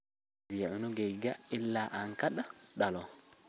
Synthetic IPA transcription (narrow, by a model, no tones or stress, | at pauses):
iʕunɔɡɛjɡailːaʔaŋkaɗaɗalɔ